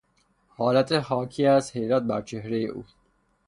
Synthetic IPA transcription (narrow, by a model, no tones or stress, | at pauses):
hɒːlæt̪ʰehɒːkʰiːæshe̞jɾæːt̪̚bæɾt͡ʃʰe̞ɦɾejḛʔṵːs